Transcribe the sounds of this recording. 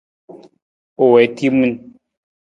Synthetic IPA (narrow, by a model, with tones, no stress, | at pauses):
o˨wɛ˨˦ti˦mɨ˦n